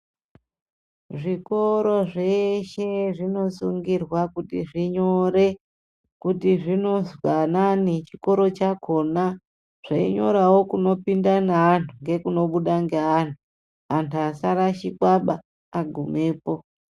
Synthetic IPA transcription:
ʐiko̞ɾo̞ʐeʃe̞ʐino̞suŋɡirwakutḭʐiɲoɾe | kutiʐino̞zwananit͡ʃiko̞ɾo̞t͡ʃakʰo̞na | ʐ̥aḭɲo̞̰ɾawo̞kuno̞pindanaːntʰuŋɡe̞kuno̞ɓuɗaŋɡeantu | antʰuasaɾaʃikwaɓaː | ɡʱume̞ːpo̞

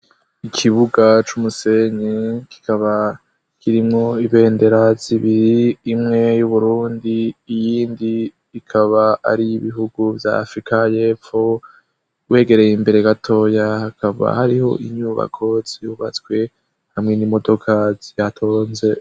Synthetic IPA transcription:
ikʰiβuɡat͡ʃumuse̞ɲeki̥kʰaβa | kʰiɾimŋo̞iβe̞ːnde̞ɾaz̥iβiɾiːmŋe̞juβuɾuːndiːjiːndiː | kʰaβaa̰ɾiiβiɦuɡuvja̰ːfɾikaje̞ːfo̞ | we̞ːɡe̞ɾe̞jimbe̞ɾe̞ɡatʰo̞ːjahakʰaβa̰haɾiho̞̰ʔiɲuːβa̰kʰo̞z̥ihuβat͡swe̞ | hamŋe̞nimo̞do̞kʰazijatʰo̞ːnze̞

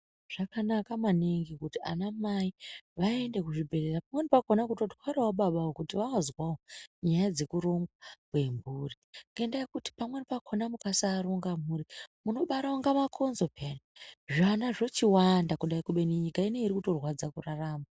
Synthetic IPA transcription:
ʐ̥akanakamaneŋɡikutia̰namaiʋae̞nde̞kuʐibʱe̞re̞rapamwe̞nipakonakuto̞twaɾawoɓaɓaokutiʋaazwawoɲajad͡ze̞kuɾo̞mɡwakwe̞mburiŋɡendajekuti̥pamwe̞nipakʰonamukasaːɾoŋɡamurimuno̞ɓaɾaoŋɡamakʰo̞nzo̞pʰeniʐanaʐo̞t͡ʃiwandakuɗaikuɓe̞niɲikaine̞iɾikuto̞rwad͡zakuraraːma

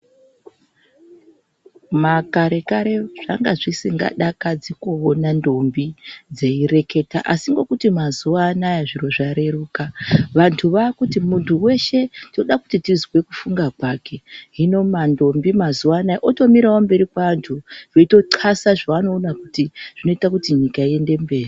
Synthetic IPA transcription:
makaɾe̞kaɾe̞ʐ̥a̰ŋɡaʐisiŋɡa̰ɗakad͡zikoonando̞mbid͡ze̞ire̞ke̞taʔasiŋɡo̞kutimazuanajaʐiro̞ʐaɾe̞ruːkaʋantʰuʋakutimuntʰuwe̞ʃe̞ndino̞ɗaku̥titizwe̞kufuŋɡakwaːke̞ɦino̞mando̞mbimazuʋaːnajaʔoto̞miɾawombe̞ɾikwaʋantʰuʋeito̞ǀʰasaʐaano̞ːnakutiʐ̥ino̞itakutiɲikaie̞nde̞mbe̞ːri

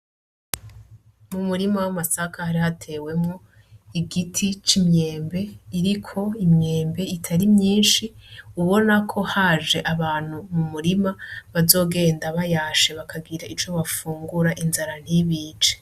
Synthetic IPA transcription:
mumuɾimawamasakʰahaɾihatʰe̞ːwe̞mŋo | iɡitʰit͡ʃimɲe̞ːmbe̞iɾikʰo̞imɲe̞ːmbe̞itʰaɾimɲiːnʃiuβo̞nakʰo̞haːʒe̞ʔaβaːn̥humumuɾimaβazo̞ːɡe̞ːndaβajaːʃe̞βakʰaɡiɾaiɾt͡ʃo̞βafuːŋɡuɾaʔinzaɾan̥hiβiːt͡ʃe̥

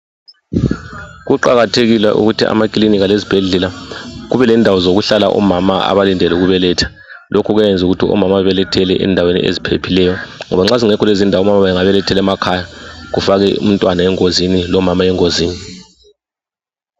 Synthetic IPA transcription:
ɣuǃaɣatʰeɣilwɛ̰ʔṵɣutʰḭa̰makʼliniɣalezib̥ʱeɮɛlaɣuβɛlɛndʱawɔzoɣuɬalaʔɔ̰mamaa̰βalindʱɛluɣuβɛlɛtʰḁ | lʔokʰuɣwjɛnd͡zʱuɣutʰiʔɔ̰mamaβɛlɛtʰɛlɛʔɛ̰ndʱawenḭʔḛzipʰepʰilɛjɔŋɔβaŋ͡ǁaziŋɛkʰɔlezindʱawɔmamaɛŋaβɛlɛtʰɛlɛmakʰajaɣufaɣɛṵm̩ntʼwanaɛŋozinilɔmamaɛŋoziːni

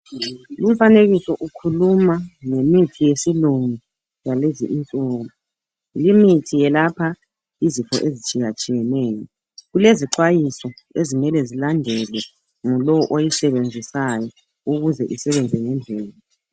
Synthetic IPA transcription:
lum̩faneɣisɔʔukʰulumaŋemitʰijesiluŋi | jaleziʔint͡sʼoːmu | limitʰijɛlapʰa | izifɔ̰ʔezit͡ʃʼijat͡ʃʼijɛnɛːjɔ | ɣuleziǃwajisɔezimɛlɛzilandʱɛlɛ | ŋɔlɔwɔʔojisɛβend͡zʱisajɔ | uɣuzɛʔisɛβend͡zʱɛŋɛnd͡ɮʱɛːla

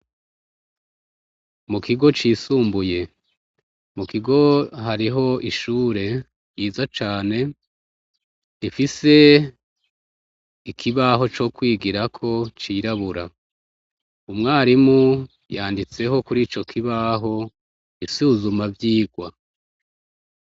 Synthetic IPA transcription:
mukʰiɡo̞t͡ʃiːsuːmbuje̞ | mukiɡo̞ɦaɾiɦo̞iʃuːɾe̞ | jiːzat͡ʃaːne̞ | ifise̞ | ikʰiβaɦo̞t͡ʃo̞kwiːɡiɾakʰo̞t͡ʃiɾaβuɾa | umŋaːɾimu | jaːndit͡se̞ɦo̞kuɾiːt͡ʃo̞kʰiβaɦo̞ | isuːzumavjiːɡwa

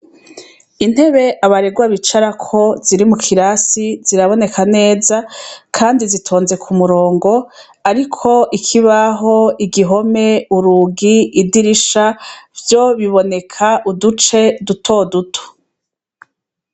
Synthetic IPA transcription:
in̥he̞βe̞ʔaβaɾe̞ɡwaβit͡ʃaɾakʰo̞ziɾimukʰiɾasiz̥iɾaβo̞ne̞kʰane̞ːzakʰaːndizitʰo̞ːnze̞kʰumuɾo̞ːŋɡo̞ | aɾikʰo̞ʔikʰiβaɦo̞iɡiɦo̞me̞uɾuɡiːdiɾiʃavjo̞βiβo̞ne̞kʰaʔudut͡ʃe̞dutʰo̞ːdutʰo̥

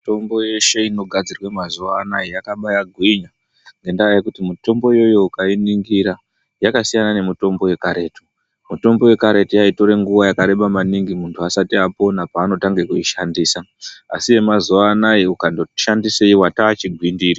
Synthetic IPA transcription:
tomboje̞ʃe̞ino̞ɡʱad͡zirwemazuʋaːnajijakaɓajaɡʱwiɲa | ŋɡe̞ndajakutimuto̞mbo̞jo̞jo̞ukainiŋɡiɾa | jakasijanane̞muto̞mbo̞je̞kaɾe̞ːtu̥ | muto̞mbo̞we̞kaɾe̞tijaito̞ɾe̞ŋɡuʋajakaɾe̞ɓamaniŋɡimuntʰuasatiapo̞napaːno̞taŋɡe̞kuiʃandiːsaa̰sije̞mazuʋaːnajiukandoʃandiseiwataːt͡ʃiɡʱwindiːɾi

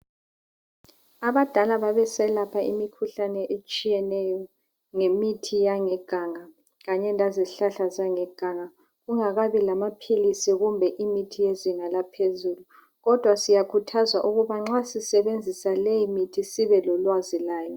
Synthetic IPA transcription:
aβad̥ʱalaβaβɛsɛlapʰaimikʰuɬanɛʔet͡ʃʼijɛnɛjɔ | ŋemitʰijaŋɛɡ̥ʱaŋa | ɣaɲɛnʱaziɬaɬazaŋɛɡ̥ʱaŋa | ɣuŋaɣaβilamapʰilisiɣumbʱɛʔimitʰijeziŋalapʰezuːlu | ɣɔd̥ʱwasijakʰutʰazwaʔuɣuβaŋ͡ǁasisɛβend͡zʱisalejimitʰisiβɛlɔlwazilaːjɔ

